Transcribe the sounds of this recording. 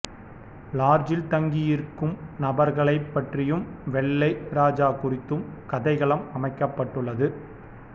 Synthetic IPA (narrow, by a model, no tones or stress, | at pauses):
laːɾd͡ʒɪlt̪ɐŋɡijɪɾkːɯmnɐbɐɾɣɐɭɐɪpːɐʈrɪjɯmʋɛɭːɐɪɾaːd͡ʒaːkʊrɪt̪ːɯmkɐðɐɪɣɐɭɐmɐmɐɪkːɐpːɐʈːɯɭːɐðɯ